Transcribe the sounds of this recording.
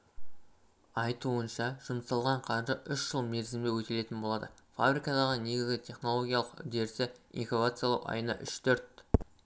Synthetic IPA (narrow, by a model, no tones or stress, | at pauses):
ɑjt̪uənʃɑʒ̥ʊmsɑlˠʁɑɴqʰɑɾʒəʏʃʒ̥əlˠme̞ɾzɪmd̪ewɵt̪e̞le̞t̪ɪnbo̞lˠɑd̪əfa̰bɾikɑd̪ɑʁəne̞ɡʲɪzɡʲɪt̪ʰe̞χno̞lˠo̞ɡʲijalˠəqʏ̰d̪e̞ɾsɪḭnxovat̪sɨjalˠɑwɑ̰jənɑ̰ʔʏʃt̪ʰɵɾt̪̚